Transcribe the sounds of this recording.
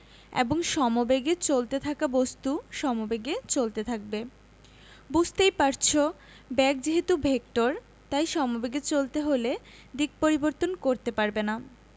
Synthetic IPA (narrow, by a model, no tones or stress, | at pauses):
ḛboŋʃɔmobeɡet͡ɕolt̪et̪ʰakabost̪uʃɔmobeɡet͡ɕolt̪et̪ʰak̚be | bud͡ʑʱt̪ejpaɾt͡ɕʰo | bɛk̚d͡ʑeɦet̪ubʱek̚ʈoɾ | t̪ajʃɔmobeɡet͡ɕolt̪eɦole | d̪ik̚poɾiboɾt̪onkoɾt̪epaɾbena